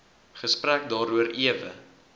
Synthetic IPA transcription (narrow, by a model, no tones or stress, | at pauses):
χəspræk̚dɑːɾuəɾiəvə̰